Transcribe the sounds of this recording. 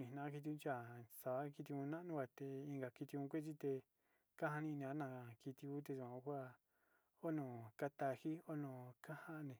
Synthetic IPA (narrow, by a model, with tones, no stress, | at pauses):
nĩ˧˨nã˧ã˦k̬i˧t̪̬i˧ũ˧˦t͡ʃa˦˨sa˨βa˧˦ki˧t̪i˧ũ˧nã˦ʔnũ˦˧ɡʷa˧˨t̪e˧ĩ˧ŋɡa˨ki˧t̪i˧ũ˧kʷe˦t͡ʃi˦t̪e˧ | ka˦ha˧nĩ˧nĩ˧a˦nã˧˨ki˧t̪i˧ku˦t̪̬e˧su˧˨ã˧kʷa˦ | o˦nõː˨ka˦t̪a˧hi˦o˦nõ˧˨ka˦ha˦ʔnẽ˨